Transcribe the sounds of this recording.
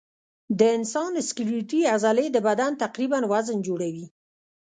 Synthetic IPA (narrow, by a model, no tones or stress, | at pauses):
d̪əɪnsɑnɪskuɾiʈiazaled̪əbad̪ant̪aqɾibanwazənd͡ʒoɽawi